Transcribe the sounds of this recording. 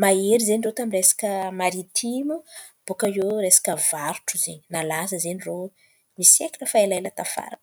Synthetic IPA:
maeɾizeɲirot̪amiresḁkʲəmaɾit̪ʰimu | b̥ukəjoɾesḁkʲəvaɾuʈ͡ʂuzeɲinalasəzeɲiro | misekʲi̥ləfailajlat̪afa̰ɾa̰n

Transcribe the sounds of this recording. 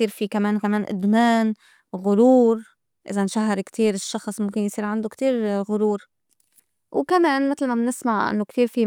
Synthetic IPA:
iːɾfikameːnkameːnʔʊ̰d̪meːn | ɣʊɾuːɾ | ʔɪ̰zanʃaɦːɪɾkt̪iːɾɪʃːɑxsˤmʊmkɪnjsiːɾʕand̪okt̪iːɾɣʊɾuːɾ | wkameːnmɪt̪lmamnɪsmaʕʔɪ̰nːokt̪iːɾfi

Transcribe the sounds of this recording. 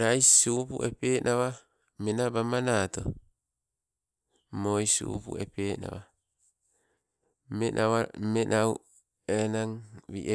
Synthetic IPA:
ɾajssupṵʔḛpeːnʔaβa | menabamanaːt̪o̰ | mojsṵṵpṵepeːna̰βa | menʔaβamenʔaw | enaŋβḭʔe

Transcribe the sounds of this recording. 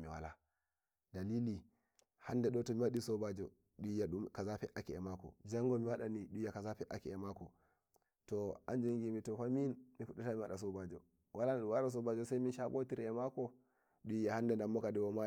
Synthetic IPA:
miwa̰la̰ | dalili | handɛɗɔtɔmiwaɗisɔbad͡ʒɔ | ɗujaɗumkazapɛʔakiɛmakɔ̰d͡ʒaŋɡɔmiwaɗaniɗujakazapɛʔa̰kiɛmakɔ̰ | tɔa̰nd͡ʒaŋɡimitɔfaminmifuɗːɛtamiwaɗasɔbad͡ʒɔ | walaɗuwalas̬ɔbad͡ʒɔsaminʃabotiɾɛmakɔ | ɗujahandɛndamːɔkadɛwɔma

